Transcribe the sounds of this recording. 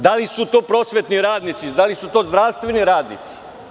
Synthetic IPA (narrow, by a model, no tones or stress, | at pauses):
d̪alisut̪o̞ːpɾo̞ːsʋet̪niɾaːd̪nit̪sid̪alisut̪o̞ːzd̪ɾaʋst̪ʋeniɾaːd̪nḭt̪si̥